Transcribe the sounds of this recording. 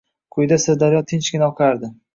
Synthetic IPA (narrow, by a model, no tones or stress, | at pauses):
kʰʊjd̪asɪɾd̪aɾjɒt̪ʰɪnt͡ʃkʲɪnɒqʰaɾd̪ɪ